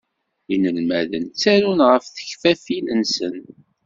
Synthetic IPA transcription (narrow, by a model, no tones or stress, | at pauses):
inəlmæðənt͡sːæɾunʁəfθə̥çfæfilənsən